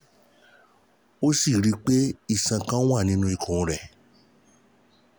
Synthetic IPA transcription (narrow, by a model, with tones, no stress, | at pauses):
o˦si˦˨ɾi˨˦k͡pe˦i˦˨sã˨kã˦w̃a˦˨nĩ˦nũ˧i˨kʰũ˨˧ɾɛ˨